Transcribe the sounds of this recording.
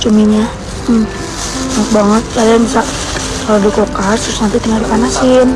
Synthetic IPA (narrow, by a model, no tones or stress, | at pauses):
t͡ʃumiɲa | m | ŋət̪̚baŋət̪̚kaɾaanisaʔ | kalodikokast̪əɾʊsnant̪it̪əŋadupanasɪn